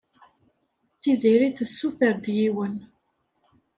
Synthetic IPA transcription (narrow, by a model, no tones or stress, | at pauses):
θiziɾiθəsːuθəɾd̪jiwən